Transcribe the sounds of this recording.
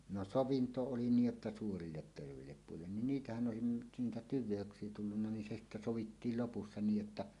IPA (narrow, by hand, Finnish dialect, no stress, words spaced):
no soʋinto oli niːj jotːɑ suːrilːet terʋeˑilːep puilːen nin niːtæhæn ʔoˑesin nyt niːtæ tyʋˑeøksˑie tulːunːɑ nin se sitːæ soʋitːiːl lopusːɑ niːj jotːɑ